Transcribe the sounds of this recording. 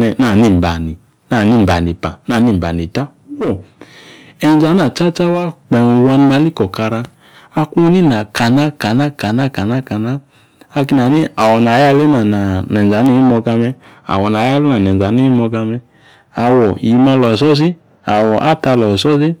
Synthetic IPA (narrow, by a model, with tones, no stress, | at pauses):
ɛ˧na˦˨ni˦˨m̩˨ba̰˨ni˨ | na˦˨ni˦˨m̩˨ba˨ni˨pa˨na˦˨ni˦˨m̩˨ba̰˨ni˨ta˦ | wɔ˦˨ | ɛ˨n˦za˨˦na˨t͡ʃa˦t͡ʃa˦wa˦k͡pɛ˨wa˧n˧ma˧˦li˦kɔ˨ka˧ɾa˧ | a˧ku˦˧˦ni˦na˨ka˨na˦ka˨na˦ka˨na˦˨ka˨na˦ka˨naː˦˧ | ki˧na˨ni˦a˨wɔ˨na˨˦ja˧˦le˦na˨na˨nɛ˨za˨˦ni˦˧˦i˦mɔ˧ɡa˧mɛ˧ | a̰˨wɔ˨na˨ja˦le˦na˨nɛ˨n˨za˨˦ni˦i˦mɔ˧ɡa˧mɛ˧ | a˨wɔ˨ji˨ma˧lɔ˨sɔ˦z̬i˦ | a˨wɔ˨ʔa˦ta˧lɔ˨sɔ˦zi˦